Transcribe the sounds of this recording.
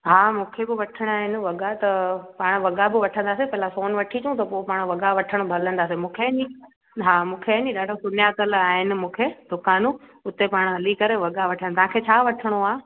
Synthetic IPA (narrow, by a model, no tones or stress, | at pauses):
ɦaːmũːkʰebɪʋɐʈʰəɽ̃aːɦɪnɪ̆ʋɐɠat̪ɐpaːɽ̃ʋɐɠabɪʋɐʈʰə̃nd̪aːsepɐɦɪlasoːnʋɐʈʰit͡ɕũt̪ɐpopaːɽ̃ʋɐɠaʋɐʈʰəɽ̃bʱɐlə̃nd̪aːs̬emũːkʰeni | ɦaːmũːkʰeniɗaːɖʱosʊnjat̪ɐlaːɦɪnɪ̆mũːkʰed̪ʊkaːnũʊt̪epaːɽ̃ɦɐlikɐɾeʋɐɠaʋɐʈʰə̃t̪ɐʋɦãkʰet͡ɕʰaːʋɐʈʰəɽ̃oaː